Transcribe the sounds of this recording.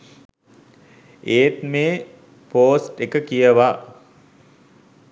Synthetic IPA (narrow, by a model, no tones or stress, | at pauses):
eːt̪meː | poːsʈekəkijəʋa